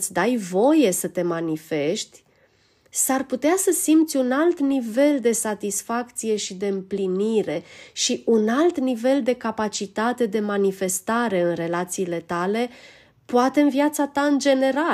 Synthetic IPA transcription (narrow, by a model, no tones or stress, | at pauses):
sʲd̪ajvo̞je̞sət̪e̞manife̞ʃt̪ʲ | sarput̪easəsimpt̪sʲunalt̪nive̞ld̪e̞sat̪isfakt̪sije̞ʃid̪e̞ɨmpliniɾe̞ʃiunalt̪nive̞ld̪e̞kapat͡ʃit̪at̪e̞d̪e̞manife̞st̪aɾe̞ɨnre̞lat̪siːle̞t̪ale̞ | poat̪e̞ɨnviat̪sat̪aɨnd͡ʒe̞ne̞ɾa